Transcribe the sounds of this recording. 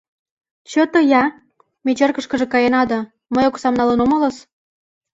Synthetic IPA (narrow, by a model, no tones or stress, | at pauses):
t͡ɕøt̪ə̆jɑ | mʲet͡ɕerkə̆ʃkə̆ʒĕkɑjenɑd̪ɤ̆ | məjoksɑmnɑlənomələ̆s